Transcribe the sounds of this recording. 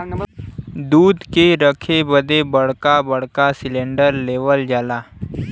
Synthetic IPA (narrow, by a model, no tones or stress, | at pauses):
d̪uːd̪keɾəkʰebəd̪ʱebəɽ̤kabəɽ̤kasileɳɖəɾleʋəld͡ʒala